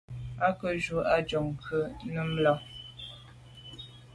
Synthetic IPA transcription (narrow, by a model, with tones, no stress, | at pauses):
a˦kə˦ʒu˨ʔa˦d͡ʒɔ˨ŋ˨kʰə˦nə˦m˦la˦ŋ